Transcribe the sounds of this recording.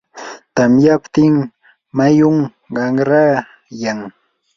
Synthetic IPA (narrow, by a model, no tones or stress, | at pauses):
t̪amjapt̪ɪm | majʊŋ | ɢɑŋɾaː | jaŋ